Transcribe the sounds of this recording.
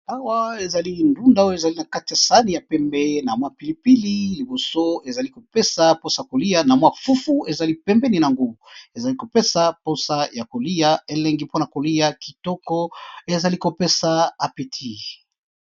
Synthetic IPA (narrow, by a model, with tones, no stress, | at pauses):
a˦wa˦e˨za˨li˦ndu˦nda˦o˦jo˦e˨za˨li˦na˨ka˦ti˨ja˨sa˦ni˨ja˨pɛ˦mbɛ˦na˨mwa˦pi˨li˦pi˦li˦li˨bo˨so˦e˨za˨li˦ko˨pe˦sa˨po˦sa˨ja˨ko˨li˦a˦na˨mwa˦fu˦fu˦e˨za˨li˦pɛ˦mbɛ˦ni˨na˨ŋɡu˦˨e˨za˨li˦ko˨pe˦sa˦po˦sa˦ja˨ko˨li˦ja˦e˦lɛ˦ŋɡi˦po˦na˨ko˨li˦ja˦ki̥˨tɔ˦kɔ˦e˨za˨li˦ko˨pe˦sa˨a˨pe˨tʰi˦˨